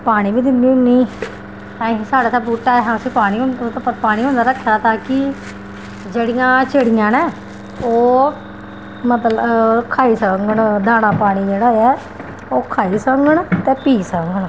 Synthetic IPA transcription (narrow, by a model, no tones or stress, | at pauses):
paːɽ̃ĩːbiːd̪ɪnd̪iːɦʊniː | t̪ãːsaːɽaːt̪ãːbuːʈaːɛɦãːəsĩːpaːɽ̃iːt̪ːpaːɽ̃ĩːɦõːnd̪aːɾəkʰːjaːt̪ãːkɪ | d͡ʒeːɽɪjãːt͡ʃəɽɪjãːnɛ̃ː | oː | mət̪ləkʰaːiːsəŋɡəɳd̪aːnãːpaːɽ̃iːd͡ʒeːɽaːɛː | oːkʰaːiːsəŋɡəɳt̪ɛ̃ːpiːsəŋɡəɳ